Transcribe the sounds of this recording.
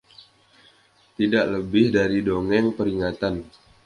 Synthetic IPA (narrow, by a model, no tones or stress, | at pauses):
t̪idaʔləbɪhdaɾidoŋɛŋpəɾiŋat̪an